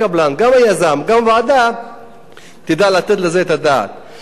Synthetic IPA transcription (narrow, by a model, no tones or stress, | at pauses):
ablanɡamajazamɡamvaːd̪a | t̪id̪alaat̪et̪lezeet̪ad̪a̰t̪̚